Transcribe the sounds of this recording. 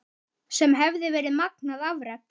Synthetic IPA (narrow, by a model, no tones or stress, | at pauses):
sɛmɦɛvðɪvɛːɾɪðmaknaðavɾɛp̪̚